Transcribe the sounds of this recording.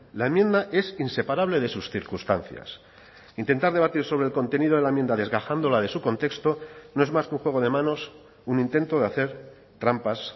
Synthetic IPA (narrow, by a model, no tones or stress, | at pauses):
laemjẽ̞nd̪aʔe̞sinse̞paɾaβ̞le̞ðe̞susθiɾkust̪anθja̰s | int̪e̞nt̪aɾðeat̪iɾso̞βɾelko̞nt̪e̞niðo̞ð̞eaemje̞nd̪aðe̞zɣaxand̪o̞laðe̞suko̞nt̪e̞kst̪o̞no̞e̞zmaskũŋxwe̞ɣ̞o̞ðe̞mãno̞s | unĩnt̪e̞nt̪o̞ðeaθe̞ɾ | t̪ɾampas